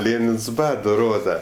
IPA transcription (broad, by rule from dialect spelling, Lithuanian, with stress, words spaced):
ˈlʲeːnʲɪns ˈbɑːdoː ˈroːdɐ